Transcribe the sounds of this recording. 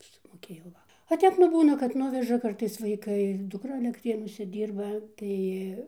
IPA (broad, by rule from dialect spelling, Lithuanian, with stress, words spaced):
sʊmoːˈkʲeːjɛʊ ˈʋɐ oː ˈtʲɛp nʊ ˈbuːnɐ kɐt ˈnʊʋʲɛʒɐ ˈkɐrtɐɪs ʋɐɪˈkɐɪ dʊkˈrɐ ɐlʲɛkˈtʲrʲeːnuɔsʲɛ ˈdʲiːrbɐ ˈtɐɪ